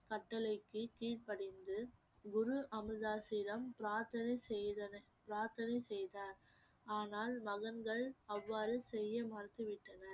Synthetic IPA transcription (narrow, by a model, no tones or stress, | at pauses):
kɐʈːɐlɐɪkːɯkiːʈ̚pɐɽɪnd̪ɯɡʊɾɯʔɐmɾɯðaːsɪːɾɐmpɾaːɾt̪ɐnɐsɛjðɐnɐ | pɪɾaːɾt̪ɐnɐɪsɛjðaːɾ | aːnaːlmɐɣɐnɡɐɭɐʋːaːɾɯsɛjːɐmaːɾt̪ɯʋɪʈːɐnɐ